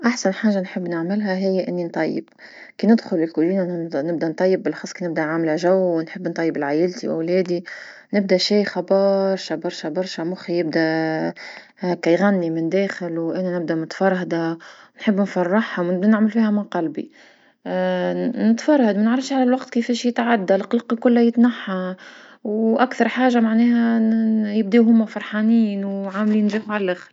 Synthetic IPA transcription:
ʔaħsanħaːʒanħɪbːnɪʕmɪlɦæɦɪjːʔɪnːint̪ˤɑjːɪ̰b̚ | kiːnɪd̪xʊlɪlkuʒiːnnɪb̚d̪ænt̪ˤɑjːɪb̚ːɪlʔxɑːsˤkinɪb̚d̪æʕamlæʒæwːnħəbːnt̪ˤɑjːɪbɪlʕaːjɪlt̪ḭwɪ̰wlɛːd̪i | nɪb̚d̪æʃijxɑbɑːɾˤʃabɑɾˤʃabɑɾˤʃamʊxijɪb̚d̪æ | kæjɣænːimɪnd̪æːxɪlwʔænænɪb̚d̪æmʊt̪fɑɾˤhd̪anħɪbːnfɑrˤːɑħhawnɪbd̪ænɪʕməlfiːhæmɪnqɑlbḭ | nɪt̪fɑɾˤhad̪mænʕɾˤɑfʃʕalælwɑqt̪kɪfɛːʃjɪt̪ʕad̪ːalqlɑːqlkʊlːæjɪt̪naħːa | wʔakθɑɾˤħaːʒamaʕnɛːhæjɪb̚d̪iɦʊmːæfɑɾˤħaniːnwʕamliːnʒɪːfʕalælʔæxɾ

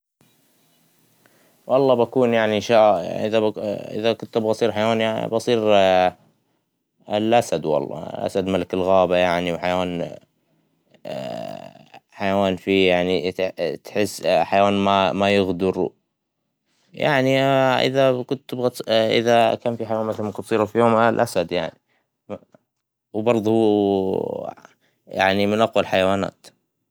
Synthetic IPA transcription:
wʔɑlˤːɑːbakuːnjaʕniʔnʃaːʔɪðaʔɪ̰ðakʊnt̪bɣɑsˤiːɾħajawaːnja̰bɑsˤiːɾ | ɪlʔasad̪wɑ̰lˤːɑ̰lʔa̰sad̪malakɪlɣaːbajaʕniwħajwaːn | ħajawaːnfijaʕnit̪ħɪsːħajawaːnmamajɪɣd̪ʊɾ | ja̰ʕniʔɪ̰ðakʊt̪ɪbɣat̪ʔɪ̰ðakaːnfiħajawaːnmat̪almakʊt̪ˤsˤiːɾafijoːmlʔasad̪jaʕni | wbɑɾˤðˤhu | ja̰ʕnimɪnʔɑqwalħajawaːna̰ːt̪

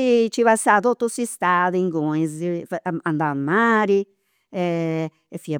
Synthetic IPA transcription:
t͡ʃiβasat̪ot̪ːusist̪aðiŋɡoizand̪amaːɾi | ɛ | efia

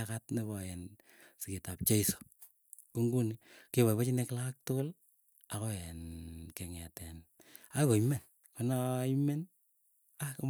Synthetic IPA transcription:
katneβɔjɛn | siketap̚t͡ʃeiso̥ | kuŋɡunikeβaβat͡ʃineklak̚toɡol | akɔjɛnkeŋɛtɛn | akomɛn | konaimɛn | ak

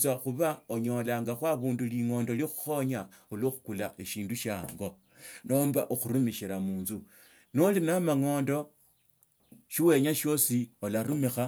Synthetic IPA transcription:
zwaxuβaoɲo̞laŋɡaxwaβuːnduliŋo̞ːndo̞lixu̥xo̞ɲaulwoxu̥kulaʔeʃiːnduʃa̰ːŋɡo̞ | noːmbaʔoxuɾumiʃiɾamuːnzu | nolinamaŋo̞ːndo̞ | ʃiwe̞ɲaʃjo̞siolaɾumixa

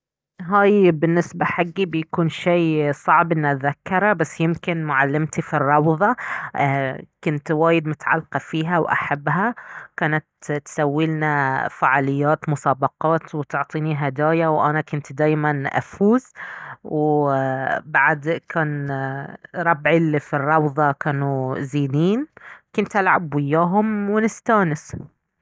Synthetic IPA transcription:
ɦaːjbɪnːɪsbaħaɡːibɪjakuːnʃeːsˤɑʕbʔɪnːat̪ðakːɑɾˤɑbasːjɪmkɪnmʊʕalːɪmt̪ifirˤːɑwðˤɑ | kʊnt̪waːjɪd̪mʊt̪ʕa̰lːqɑfiːɦawʔa̰ħabːɦakaːnat̪t̪sawːɪlnafaʕaːlɪjːaːt̪mʊsaːbɑqɑːt̪wt̪ʊʕt̪ˤiːniɦad̪aːjawʔanakʊnt̪d̪aːjmanʔa̰fuːzw | baʕd̪kʰaːn | ɾˤɑbʕɪlifirˤːɑwðˤɑkaːnuziːniːnkʊnt̪ʔalʕa̰bwɪjːaːɦʊmwɪnɪst̪aːnɪs

